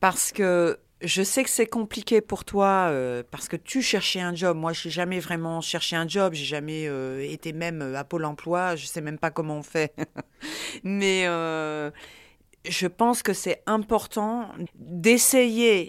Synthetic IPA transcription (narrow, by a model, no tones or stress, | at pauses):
paʁsə̥kə | ʒəsɛkə̥sɛkɔ̃plikʲepuʁt̪waøpaʁsə̥kət̪yʃɛʁʃɛɛ̃ʒɔbmwaʒɛʒamɛvʁɛmɑ̃ʃɛʁʃeɛ̃ʒɔbʒeʒamɛøet̪emɛmøapolɑ̃plwaʒəsɛmɛmpakɔmɑ̃ɔ̃fɛ | mɛø | ʒəpɑ̃skəsɛɛ̃pɔʁt̪ɑ̃d̪eseje